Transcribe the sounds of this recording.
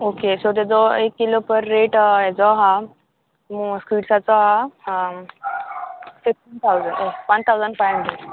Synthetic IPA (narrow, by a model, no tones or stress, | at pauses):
okesot̪̬ed͡zɔekːilopəɾːeʈɛd͡zɔɦa | mskiːʈsat͡sɔɦa | fifʈiːnt̪ʰawzəɳɖopənt̪ʰawd͡zəɳɖfajmde